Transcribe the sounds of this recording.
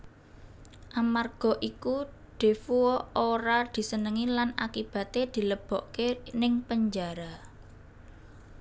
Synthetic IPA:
ʔamarɡ̥ɔ̤ʔiku | ɖ̪̥e̤fuɔoɾad̪̥i̤sənəŋilanakib̥a̤t̪ed̪̥i̤ləb̥ɔ̤ʔkenɪŋpəɲd͡ʒaɾa

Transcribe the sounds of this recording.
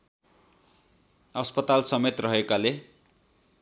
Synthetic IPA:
ʌspʌt̪alsʌmet̪rʌɦekale

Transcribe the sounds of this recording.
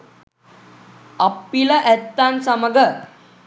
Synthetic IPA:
apːiləʔɛt̪ːansəməɡə

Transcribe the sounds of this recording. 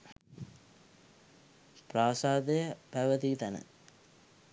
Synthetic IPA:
praːsaːd̪əjəpæʋət̪it̪ænə̰

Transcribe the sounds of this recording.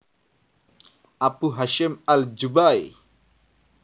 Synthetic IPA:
ʔapuɦaʃɪmald͡ʒubaj

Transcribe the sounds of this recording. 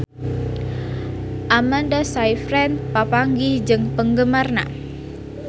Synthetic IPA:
ʔamandasajfɾɛnpapaŋɡid͡ʒɨŋpəŋɡəmarna̰

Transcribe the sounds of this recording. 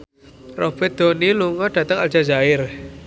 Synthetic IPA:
ro̰b̥ɛt̪̚d̪̥o̤niluŋɔɖ̥ä̤t̪əŋald͡ʒ̥a̤zaɪr

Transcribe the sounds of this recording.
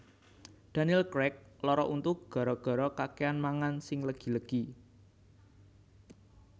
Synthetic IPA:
d̪̥ä̤niɛlkɾɛk̚lɔɾɔʔunt̪uɡ̥ɔ̤ɾɔɡ̥ɔ̤ɾɔkakeanmaŋansɪŋləɡ̥i̤ləɡ̥i

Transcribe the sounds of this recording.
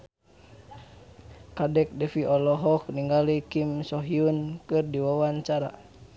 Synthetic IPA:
kadɛk̚dɛfiʔɔlɔɦɔk̚niŋɡalikimsɔɦiunkɨrdiwawaɲt͡ʃaɾa̰

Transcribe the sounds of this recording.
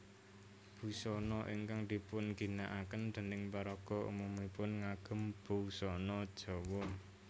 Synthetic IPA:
b̥ṳsɔnɔʔiŋkaŋd̪̥ipʊnɡ̥i̤naʔakənd̪̥ə̤nɪŋpaɾɔɡ̥ɔ̤ʔṵmumipʊnŋaɡ̥ə̤mb̥ṳsɔnɔd̥ʒ̥ɔ̤wɔn

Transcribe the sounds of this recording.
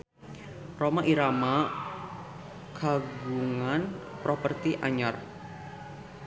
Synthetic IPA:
romaʔiɾama | kʰaɡuŋanpɾopərt̪iʔaɲar

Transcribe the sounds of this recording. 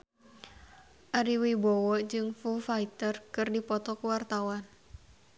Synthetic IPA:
ʔaɾiwibɔwɔd͡ʒɨŋfufait̪ərkɨrdipɔt̪ɔkuwart̪awan

